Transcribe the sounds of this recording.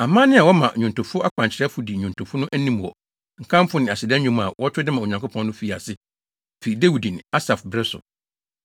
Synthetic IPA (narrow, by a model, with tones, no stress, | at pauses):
a˨mãː˦nɪ̃˦a˨wɔ˦mã˨ɲũ˨ntʰʊ̃˨fʊ˦a˦kʰã˨ɲt͡ɕʰɪ˨ɾɛ˦fʊ˨di˨ɲᶣũ˨ntʰʊ˨fʊ˦nʊ̃˦ʔæ˦nĩ˦m˨wɔ˨ | ŋ̩˨kʰã˦m˦fʊ˦nɪ̃˨a˨sɪ˨dɛ̃˦ɲᶣũ˦m˦a̰˨wɔ˦tʰᶣɾɪ˦dɪ˦mã˨o˨ɲã˨ŋkʷo˦pʰɔ̃˦nː˦ʊ̃˦fi˨a˨sɪ˦ | fe˨i˨de˦wu˨dĩ˨n˨a˦sa˨fbɾɪ˦sʊ̰˨